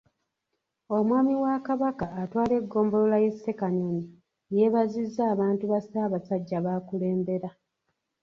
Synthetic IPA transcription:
o̞mwaːmiwakaβakaːtwaːle̞ɡːo̞ːmbo̞lolaje̞sːe̞kanoni | je̞βazizːaːβaːntuβasaːβasaɟːaβaːkule̞ːmbe̞ɾa

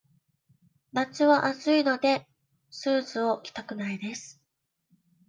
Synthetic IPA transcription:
bat͡sɨβaʔat͡sɨino̞d̪e̞ | sɨːzɨo̞kʲi̥t̪akɯ̟naid̪e̞sɨ̥

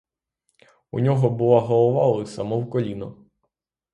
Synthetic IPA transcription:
ṵnʲɔɦɔbʊlˠaɦɔlˠɔʋɑlˠɪsɐmɔwkɔlʲinɔ

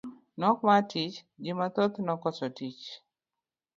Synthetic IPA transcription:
nɔk̚matit͡ʃd͡ʒɪmat̪ot̪nɔkɔsɔtit͡ʃ

